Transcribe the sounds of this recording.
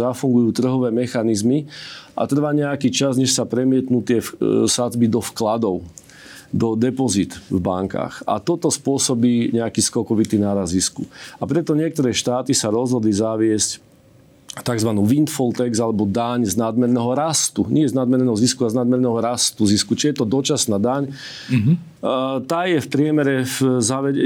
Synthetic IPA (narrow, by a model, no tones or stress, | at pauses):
afuŋɡujuːt̪r̩ɦɔʋɛːmɛxanizmiʔa̰t̪r̩ʋaːɲɛakit͡ʃazɲɛʃsapɾɛmɪɛt̪nuːt̪ɪɛfsazbid̪ɔfklad̪ɔʊ | d̪ɔd̪ɛpɔzit̪vba̰ŋka̰ːxa̰t̪ɔt̪ɔspʊɔsɔbiːɲɛakiːskɔkɔʋit̪iːnaːɾazziskuapɾɛt̪ɔɲɪɛk̚t̪ɔɾɛːʃt̪aːt̪isaɾɔzɦɔd̪lizaʋɪɛsc | t̪aɡzʋanuːʋint̪fɔlt̪ɛɡzalɛbɔd̪aɲznad̪mɛɾnɛːɦɔɾast̪uɲɪɛznad̪mɛɾnɛːɦɔziskualɛznad̪mɛɾnɛːɦɔɾast̪uziskut͡ʃijɛt̪ɔd̪ɔt͡ʃasnaːd̪aɲ | t̪aːjɛfpɾɪɛmɛɾɛfzaʋɛɛ